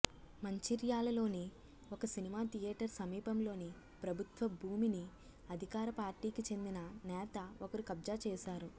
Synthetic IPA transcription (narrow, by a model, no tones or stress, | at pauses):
mɐɲt͡ʃiɾjaːlɐlo̞ːni | okɐsinimaːt̪ijɛːʈɐɾsɐmiːpɐmlo̞ːni | pɾɐbʱut̪ʋɐbʱuːmini | ɐd̪ʱikaːɾɐpaːɾʈiːkit͡ʃe̞nd̪inɐnɛːt̪ɐokɐɾukɐbd͡ʒaːt͡ʃɛːʃaːɾu